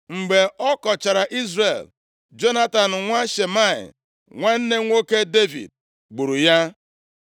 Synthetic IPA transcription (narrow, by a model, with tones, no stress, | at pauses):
ŋ͡m̩˨ɡ͡be˨ɔ˦kɔ˨t͡ʃa˨ɾa˨ʔi˦zɾe˨l | d͡ʒo˦na˦ta˨n̩˨ŋʷa˦ʃe˨ma˦˨ɪ̰˨ | ŋʷa˦n̩˦ne˦ŋʷo˦ke˦de˦vḭ˨d̚ | ɡ͡bu˨ɾu˨ja˦